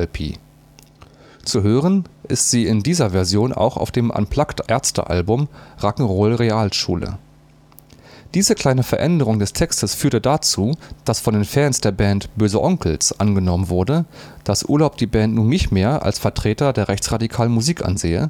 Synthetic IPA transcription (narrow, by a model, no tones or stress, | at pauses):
ɛlpʰḭː | t͡suɦøːʁənʔɪstz̥iːɪndiːzɐvɛɐzjoːna̰ʊxa̰ʊfd̥eːmʔa̰npʰl̥aktʔɛɐt͡stə̰ʔa̰lbʊmʁakŋ̩ʁoːlʁeaːlʃṵːlə̰ | d̥iːzəkʰl̥aɪnəfɛɐʔɛndəʁ̞ʊŋdɛstʰɛkstəsfyːɐtədat͡suːd̥asfɔndeːnfɛnsd̥eːɐbɛntb̥øːzəʔɔŋkl̩sʔanɡənɔmənvʊɐdə | d̥asʔṵɐlaʊp̚d̥iːbɛːntnuːnːɪçtmeːɐʔa̰lsfɛɐtʁ̥eːtɐdeːɐʁɛçt͡sʁ̥adikʰaːlənmuziːkʔa̰nzeːə